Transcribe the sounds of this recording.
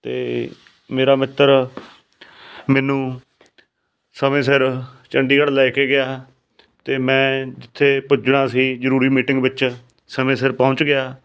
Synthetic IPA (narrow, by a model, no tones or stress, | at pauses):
t̪ḛː | meːɾaːmɪt̪ːəɾ | mɛ̃ːnũː | səmẽːsɪɾt͡ʃəɳɖiːkəɽlɛːkeːɡɪaː | t̪eːmɛ̃ːd͡ʒɪt̪ʰːeːpʊd͡ʒɽaːsiːzəɾuːɾiːmiːʈɪ̃ŋɡbɪt͡ʃ | səmẽːsɪɾpə̃ʊ̃t͡ʃɡɪaː